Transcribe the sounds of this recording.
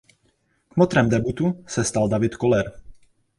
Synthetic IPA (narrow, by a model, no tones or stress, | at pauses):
kmot̪ɾɛmd̪ɛbut̪usɛst̪ald̪avɪt̪kolɛɾ